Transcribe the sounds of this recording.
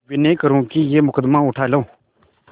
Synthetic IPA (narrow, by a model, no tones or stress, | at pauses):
ʋɪnẽːkəɾũːkijeːmʊkəd̪mãːʊʈʰaːlõː